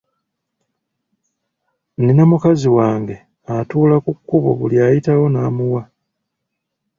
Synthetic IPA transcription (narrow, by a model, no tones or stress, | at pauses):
ninamukaziwaːŋɡe̞ | atuːlakukːuβṵβuljajitawo̞naːmuwa